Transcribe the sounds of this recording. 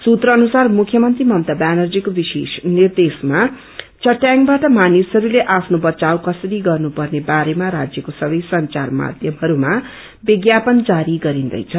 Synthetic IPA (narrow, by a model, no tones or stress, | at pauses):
sut̪ɾʌːnusarmukʰːjʌmʌnt̪rimʌmt̪abanʌrd͡zikobisḛsnird̪esma | t͡sʌʈjaŋbaʈʌmanisɦʌɾuleʔapʰnobʌt͡sawkʌsʌɾiɡʌrnupʌrnebaɾemaɾad͡zjʌkosʌbʌjsʌnt͡sarma̰d̪ʱjʌmɦʌɾuma | biɡjapʌnd͡zaɾiɡʌɾind̪ʌ̰jt͡sʰʌ